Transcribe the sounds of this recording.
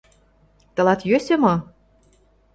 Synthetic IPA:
t̪ɤ̆lɑt̪jøsʲemɤ

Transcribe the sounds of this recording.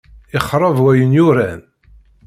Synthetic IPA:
ɪχɾˤɑvwæjənjʊɾæn

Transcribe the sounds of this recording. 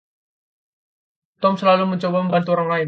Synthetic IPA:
t̪ɔmsəlaluməɲt͡ʃobaməmbant̪uɾaŋlaɪn

